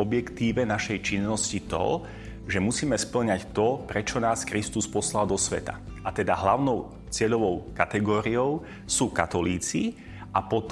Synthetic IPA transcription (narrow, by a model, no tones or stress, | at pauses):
ɔbjɛkt̪iːʋɛnaʃɛjt͡ʃinːɔscit̪ɔ̰ | ʒɛmusiːmɛspl̩ɲact̪ɔpɾɛt͡ʃɔnaːskɾist̪uspɔslald̪ɔsʋɛ̰t̪a̰ | at̪ɛd̪aɦlaʊnɔʊ | t͡sɪɛʎɔʋɔʊkat̪ɛɡɔːɾiɔʊ | suːkat̪ɔliːt͡si | ʔapɔt̪